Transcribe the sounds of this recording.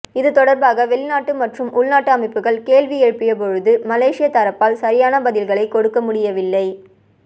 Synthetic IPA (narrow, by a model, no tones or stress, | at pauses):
ɪðɯt̪ɔɽɐɾbaːɣɐʋɛɭɪnaːʈːɯmɐʈrɯmʔʊɭnaːʈːɯɐmɐɪpːɯɣɐɭkeːlʋɪɛɻɯpːɪjɐp̬ɔɻɯðɯmɐleːʂɪjɐt̪ɐɾɐpːaːlsɐɾɪjaːnɐbɐðɪlɣɐɭɐɪkːɔɽɯkːɐmʊɽɪjɐʋɪlːɐɪ